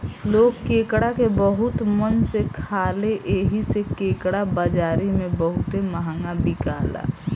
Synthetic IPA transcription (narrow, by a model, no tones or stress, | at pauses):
loːɡkeːkɽakebəɦʊt̪mənsekʰaːleʔeːɦisekeːkɽabad͡ʒaːɾimẽbəɦʊt̪eməɦaŋɡabikaːla̰ː